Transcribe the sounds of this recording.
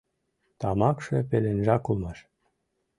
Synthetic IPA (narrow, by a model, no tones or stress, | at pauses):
t̪ɑmɑkʃepelenʒɑkulmɑʃ